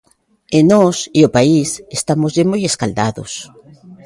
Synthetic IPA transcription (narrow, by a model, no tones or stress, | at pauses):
enɔsiopaisest̪amozðemojeskald̪aðo̰s